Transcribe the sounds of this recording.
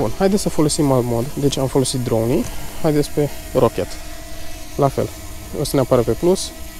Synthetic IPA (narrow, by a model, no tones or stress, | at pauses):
bunhajd̪et̪səfo̞lo̞simalmod̪d̪e̞t͡ʃamfo̞lo̞sit̪̚d̪ɾownihajd̪et̪sperokʲe̞t̪ | lafe̞̰l | o̞səneapaɾəpe̞plus